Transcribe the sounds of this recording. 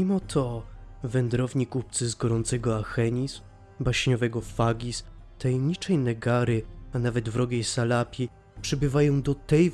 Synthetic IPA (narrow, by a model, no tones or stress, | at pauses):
imɔt̪ʰɔvɛnd̪ɾɔvɲikup̚t̪sɘzɡɔɾɔnt̪sɛɡɔaxɛɲiz | baɕɲɔvɛɡɔfaɡʲis | t̪ajɛmɲit͡ʂɛjnɛɡaɾɘanavɛd̪vɾɔɡʲejsalapʲi | pʂɛbɘvajɔ̃w̃d̪ɔt̪ɛj